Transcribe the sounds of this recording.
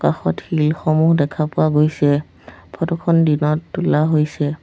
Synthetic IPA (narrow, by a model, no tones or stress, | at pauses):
kaxɔthilxɔmuɦdɛkʰapʊwaɡojsɛ | pʰɔtɔkʰɔndinɔtːulaɦojsɛ